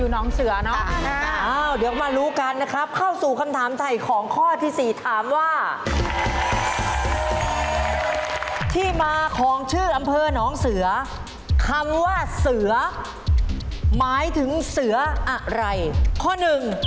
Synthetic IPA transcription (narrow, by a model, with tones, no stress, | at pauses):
juː˨˩nɔː˦˥ŋsɯ˩˦ɐnɔ˦˥ʔaː˧˩wdi˨˩˦maː˧ɾuː˦˥ka˧nːa˦˥kʰɾa˦˥p̚kʰa˥˩wsuː˨˩kʰa˧mt̪ʰaː˩˦mt̪ʰa˧˩jkʰɔː˨˩˦ŋkʰɔː˥˩t̪ʰiː˥˩siː˨˩t̪ʰaː˩˦mwaː˥˩ | t̪ʰiː˥˩maː˧kʰɔː˨˦ŋt͡ɕʰɯː˥˩ʔa˧mpʰɤː˧nɔː˦˥ŋsɯ˨˩˦ɐ | kʰa˧mwaː˥˩sɯ˩˦ɐ | maː˨˦˥jt̪ʰɯ˩˦ŋsɯ˨˩˦ɐʔa˧˩ɾa˧jkʰɔː˥˩nɯ˨˩ŋ